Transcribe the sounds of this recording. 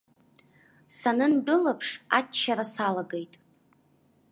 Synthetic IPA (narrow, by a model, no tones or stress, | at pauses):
sanɨndʷʊlapʰʂa̰tːt͡ʃʰːaɾasalaɡejtʼ